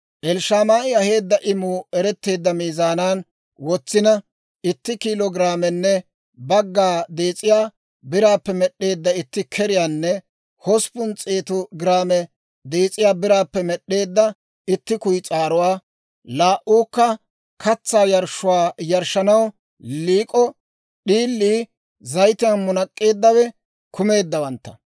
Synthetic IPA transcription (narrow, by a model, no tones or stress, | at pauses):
ʔɛlʃaːmaːʔɪɐhe̞ːd̪ːɐʔɪmʊɛɾɛt̪ːe̞ːd̪ːɐmiːzaːnaːn | wɔt͡sːɪnɐ | ɪt̪ːɪkiːlɔɡɪɾaːmɛnːɛ | bɐɡːaːd̪e̞ːt͡sʼɪjaː | bɪɾaːpːɛmɛɗːe̞ːd̪ːɐɪt̪ːɪkʰɛɾɪjaːnːɛ | hɔspʊnt͡sʼeːt̪ʊɡɪɾaːmɛ | d̪eːt͡sʼɪjaːbɪɾaːpːɛmɛɗːe̞ːd̪ːɐ | ɪt̪ːɪkʊjt͡sʼaːɾʊwaː | laːʔuːkːɐ | kʰɐt͡sːaːjɐɾʃʊwaːjɐɾʃɐnɐw | liːkʼɔ | ɗiːlːiː | zɐjt̪ɪjɐnmʊnɐkʼːe̞ːd̪ːɐwɛ | kʊme̞ːd̪ːɐwɐnt̪ːɐ̥